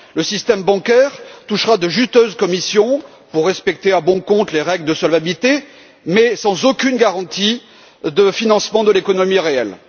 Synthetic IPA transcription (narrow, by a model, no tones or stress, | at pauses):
ləsist̪ɛmbɑ̃kʲɛʁt̪uʃʁad̪əʒyst̪øzkɔmisjɔ̃ | puʁːɛspɛk̚t̪eabɔ̃kɔ̃t̪leʁɛɡld̪əsɔlvabilt̪e | mɛsɑ̃zokʲynɡaʁɑ̃t̪i | d̪əfinɑ̃smɑ̃d̪əlekɔnɔmiʁeɛl